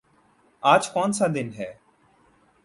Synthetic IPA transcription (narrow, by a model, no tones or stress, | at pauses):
aːd͡ʒkɔːnsaːd̪ɪnɦɛː